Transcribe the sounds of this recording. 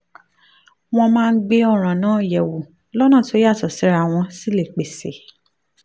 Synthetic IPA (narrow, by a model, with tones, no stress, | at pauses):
w̃ɔ̃˧mãː˦˧n̩˦ɡ͡be˦ɔ˦˨ɾ̃ã˨nãː˨˦˨jɛ˨wu˨ | lɔ˦nã˦˨to˦i˦a˦˨tɔ˨si˨˦ɾa˦˧˨w̃ɔ̃˧si˦le˦˨k͡pe˨se˨